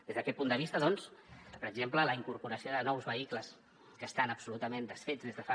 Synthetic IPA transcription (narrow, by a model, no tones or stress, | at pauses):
d̪̥ezðəkɛt̪̚pund̪əβist̪əðɔnspəɾəɡzemplələiŋkuɾpuɾəsioðənɔwzβəikləs | kəst̪anəpsulut̪əmẽnd̪əsfed͡zðezðəfa